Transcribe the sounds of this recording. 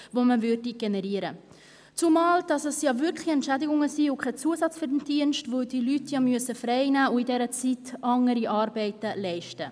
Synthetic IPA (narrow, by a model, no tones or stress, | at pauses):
voməvʏdiɡ̥enɛɾiəɾə | t͡sumɑːld̥ɑsɛsjɑːvʏɾkχlɪɛntʃædɪɡʊŋəsiːʊkʰɛt͡suəsɑt͡sfyɾdndiənʃtvodilytʰjɑːmyəsəfɾɛɪnæːʊidɛɾət͡sitɑŋəɾiʔɑːɾbɛɪtəlɛɪʃtə